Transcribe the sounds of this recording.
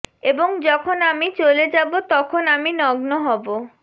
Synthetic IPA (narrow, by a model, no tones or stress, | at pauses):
eboŋd͡ʑɔkʰonamit͡ɕoled͡ʑabot̪ɔkʰonaminɔɡnoɦɔbo